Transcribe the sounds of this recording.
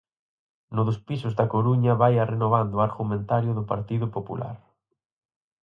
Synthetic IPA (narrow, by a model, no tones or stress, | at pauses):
nʊðʊspisʊzðɐkoɾuɲɐβajarenoβ̞and̪ʊaɾɣumẽnt̪aɾjʊðʊpaɾt̪iðʊpopṵlʔa̰ɾ